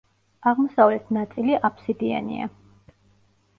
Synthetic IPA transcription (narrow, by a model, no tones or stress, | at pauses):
aʁmɔsavlɛt̪ʰnat̪sʼiliʔapʰsid̪ia̰nḭa̰